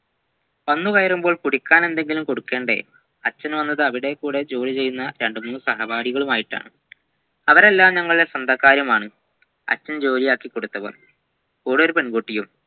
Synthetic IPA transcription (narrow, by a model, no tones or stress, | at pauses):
pɐnːukɐjɐɾumbo̞ːɭkuɽikʲːaːne̞nd̪e̞ŋɡilumko̞ɽukːe̞ːɳɖe̞̰ | ɐt͡ɕːɐnʋɐnːɐðɨɐʋiɽe̞kuːɽe̞d͡ʑo̞ːlit͡ɕe̞jːunːɐɾe̞ɳɖɨmuːnːusɐɦɐbaːɽiɣɐɭumaːjiʈːa̰ːɳɨ | ɐʋɐɾe̞lːaːmɲɐŋːɐɭiesɐnd̪ʱɐkːaːɾjɐmaːɳɨ | ɐ̰t͡ɕːɐnd͡ʑo̞ːlijaːkːikːo̞ɽut̪ːɐʋɐ̰l | oːɽoɾupeɳɡoːʈːijum